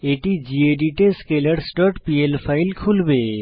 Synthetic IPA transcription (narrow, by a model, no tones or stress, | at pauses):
eːʈid͡ʒieɖiʈeskeləɾsʈɔʈpielpʰaɪlkʰulbe